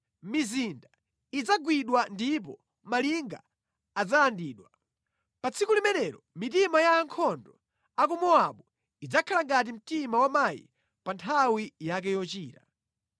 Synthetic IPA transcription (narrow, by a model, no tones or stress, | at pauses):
mizinda | id͡zaɡwiɗwandip̬ɔ | maliŋɡa̰ː | d͡zalandiːɗwa | pat͡sʰikulimɛnɛɾɔmitimajaːŋkʰɔndɔ | akumɔaɓu | id͡zakʰalaŋɡat̬im̩timawamajḭ | pantʰawijak̬ɛjɔt͡ʃiːta